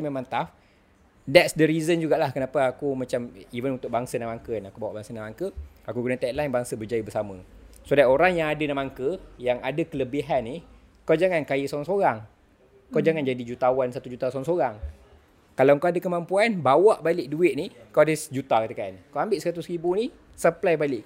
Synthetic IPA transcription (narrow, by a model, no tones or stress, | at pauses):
memãnt̪af | dɛtsdəɾizənd͡ʒuɡaʔlahkənapəakumat͡ʃamivənunt̪ʊk̚baŋsanamaŋkənakubawaʔbaŋsanamaŋkəakukənat̪at̪̚lajnbaŋsəbərd͡ʒajibəsaməsodajoɾaŋjaŋadənamaŋkəjaŋadakələbiɦanːih | kawd͡ʒaŋankajisoɾaŋsoɾaŋ | kawd͡ʒaŋand͡ʒadid͡ʒut̪awansat̪ud͡ʒut̪asoaŋsoɾaŋ | kalawkaadakəmampuanbawaʔbalɪk̚duɪt̪̚nikawadəsd͡ʒut̪akət̪əkankawambɪʔsəɾat̪usɾibuni | səplajbalɪʔ